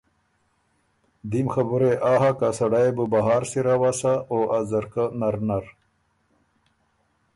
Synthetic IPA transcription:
d̪imxabuɾeʔaɦakasɐɽajbəbaɦaːɾsiɾawasaʔoʔazɐɾkanaɾnaɾ

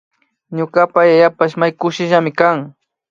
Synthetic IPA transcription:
ɲʊkapajajapaʃmajkʊʃɪʒamɪkaŋ

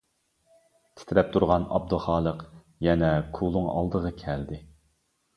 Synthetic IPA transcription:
t̪ʲʰɪ̥t̪ʰɪɾɛp̚t̪ʰuɾʁɑnɑ̰b̚d̪uχɑːlˠəq | jɛnɛkʰulˠʊŋɑ̰lˠd̪əʁɑkʲʰɛld̪ɪ

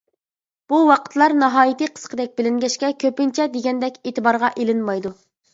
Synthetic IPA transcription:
b̥uwɑqʰə̥t̪lˠɑɾnɑɦɑːjit̪ɨqʰə̥sqʰəd̪ɛk̚ʲbɪlɪŋɡʲɛʃkʲɛkʲʰøpɪnt͡ʃʰɛd̪eɡʲɛnd̪ɛkʲeːt̪ɨbɑɾʁɑʔelɪnmɑjd̪u

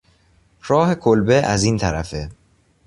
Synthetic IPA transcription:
ɾɒːhe̞kʰolbeʔæziːnt̪ʰæɾæfe

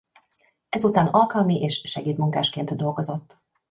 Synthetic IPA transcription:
ɛzut̪aːnɒlkɒlmiʔeːʃʃɛɡeːt̪muŋkaːʃkeːnt̪d̪o̞lɡo̞zo̞t̪ː

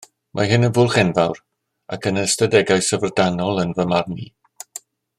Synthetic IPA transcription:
mʔa̰ɦɪnənvʊːlˠχɛnvawr | a̰kʰənəstədɛɡajsəvrdanɔlˠənvəmarniː

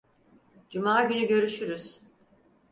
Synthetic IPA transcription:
d͡ʒumaːɟynyɟø̞ɾyʃyɾyz̥

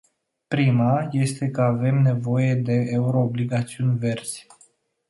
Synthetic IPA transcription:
pɾimaje̞st̪e̞kəave̞mne̞vo̞je̞d̪e̞ːuɾo̞ːbliɡat̪siunʲve̞rz̥ʲ

